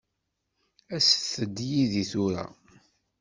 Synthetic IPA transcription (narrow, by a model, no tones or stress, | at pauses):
æsθəd̪ːjiðiθuɾa̰